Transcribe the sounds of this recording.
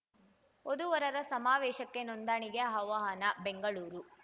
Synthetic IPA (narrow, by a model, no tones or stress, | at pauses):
od̪uʋɐɾɐɾɐsɐmaːʋɛːʃɐkːe̞nond̪aːɳiɡeɦɐʋaːɦɐnɐbeŋɡɐɭuːɾu